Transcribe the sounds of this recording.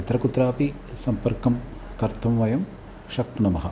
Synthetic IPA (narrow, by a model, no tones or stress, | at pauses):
ɐt̪ɾɐkut̪ɾaːpi | sɐmpɐɾkɐm | kɐɾt̪ʰɐmʋɐjɐm | ʃɐkːnɐmɐɦɐ